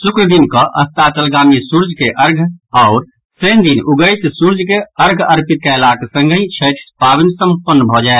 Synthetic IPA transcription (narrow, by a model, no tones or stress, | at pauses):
sukɾəd̪inkə̃ʔəst̪at͡ʃəlɡamisuɾd͡ʒʱkeʔəɾɡʱɔʊɾ | sənd̪inʔuɡəjt̪suɾd͡ʒkeəɾɡʱəɾpit̪̚kaɪlaksə̃ŋɡʱə̃ĩt͡ʃʰət̪ʰpaʋinsə̃mpənːbʱɔd͡ʒaɪt̪